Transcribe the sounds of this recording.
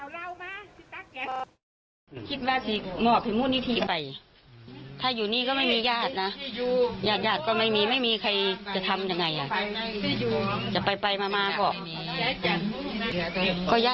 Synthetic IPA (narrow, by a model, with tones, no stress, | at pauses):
kʰi˧t̪̚waː˧si˧mɔː˧˩ppʰa˨˩muː˧˥˨ni˧˥t̪ʰi˧pa˨˩j | t̪ʰaː˧˥˩juː˨˩niː˧˥˨kɔː˧˥˩ma˥˩jmiː˧jaː˧˩t̪̚na˧˥˧jaː˧˩t̪̚jaː˧˩t̪̚kɔː˧˩ma˥˩jmiː˧ma˥˩˨jmiː˧kʰa˧jt͡ɕa˨˧˩t̪ʰa˧mja˧ŋːa˧˩jʔa˨˩˧ | uː˧t͡ɕa˨˧˩pa˨jpa˨˧jmaː˧maː˧bɔ˧˩ʔ | kɔː˧˩jaː˧˨